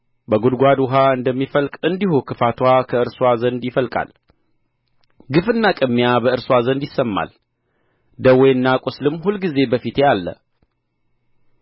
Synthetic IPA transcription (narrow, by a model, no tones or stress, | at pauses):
bəɡud̪ɡʷad̪wʊɦaɨnd̪əmːifəlkʼɨnd̪ihukʰɨfat̪ʰwakʰəɨɾswazənd̪jɪfəlkʼa̰l | ɡɨfɨnːakʼɨmːijabəɨɾswazənd̪jɪsːəmːa̰l | d̪əwɔjɨnːakʼʊslɨmːhulɡize̞bəfit̪jalːə̰